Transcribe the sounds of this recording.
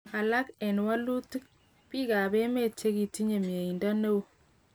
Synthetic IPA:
a˨la˦kɛ˨nwa˦lu˦ti˦k̚ | pi˦ɡa˨be˦me˦˨t͡ʃe˦ɡi˨ti˦ɲe˨mi˨e˨i˨nda˦ne˦w

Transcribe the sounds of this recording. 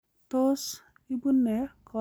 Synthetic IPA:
t̪o˦s | i˦bu˦nːɛ˨kɔ

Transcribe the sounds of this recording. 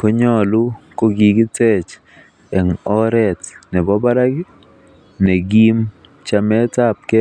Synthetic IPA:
ko˦ɲɔ˦lu˦ko˦ɡi˨ɡi˦tɛ˦t͡ʃ | ɛ˨ŋɔ˦ɾɛ˨tnɛ˨bɔ˦ba˦ɾa˦ɡ | ne˨ɡi˦m | t͡ʃa˦mɛ˦ta˦p̚kɛ˦

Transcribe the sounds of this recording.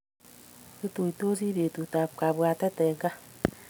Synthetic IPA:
te˦to˨i˨to˦si˦βe˨tu˨ta˨ka˨βwa˨tɛ˦tɛ˨ŋɡa˦

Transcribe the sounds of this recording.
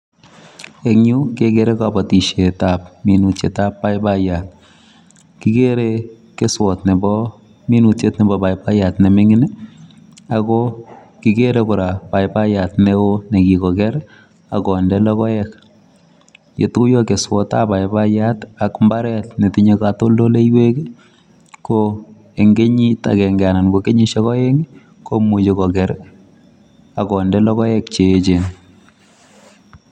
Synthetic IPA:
ekɲu˦kekeɾe˦ka˨bɔ˨ti˨ʃe˨tapmi˨nu˨tt͡ʃe˨ta˦pːa˦jpa˦ja˨t̚ | ki˦ke˦ɾe | ke˦swɔ˨tne˨bɔ | mi˦nu˨tt͡ʃe˦tnɛ˨bɔ˨ba˨jpa˦ja˨tne˨mɪ˦ŋɪn | akɔ | kikeɾekʊ˨ɾa˨pa˨jpa˦ja˨tneo˦ne˨ki˨kɔ˨kɛ˦ɾ | akɔ˨ndɛ˦lɔ˦kɔ˦jɛk | je˨tku˦jo˦ke˨swɔ˦ta̰˦pa˨jbajata˨kmba˦ɾɛ˦tne˨ti˦ɲekato˦ldo˦le˦jwe˦k | ko | e˨ŋɡe˦ɲi˦ta̰˨kɛ˨ŋɡa˨na˨nko˨ke˦ɲi˦ʃe˦kɔ˦je˦ŋ | komu˨t͡ʃekɔ˨kɛ˨ɾ | a˨kɔ˨ndɛ˦lɔ˦kɔ˦jɛ˦kt͡ʃeːt͡ʃe˨n

